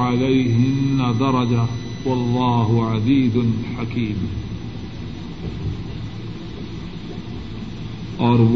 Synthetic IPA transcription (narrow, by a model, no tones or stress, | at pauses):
ʕalajɦɪnːad̪ɑɾˤɑd͡ʒa | wɑlˤːɑːɦʊʕad̪iːd̪nħakʰiːm | ʔɑɾˤb